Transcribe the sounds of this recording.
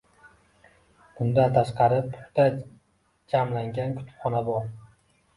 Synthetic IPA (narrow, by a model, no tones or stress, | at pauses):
b̥ʊnd̪ant̪ʰaʃqɑɾɪpːʰʊ̥t̪a | d͡ʒamlaŋɡʲankʰʊ̥t̪ʰʊ̥pχɒnabɒɾ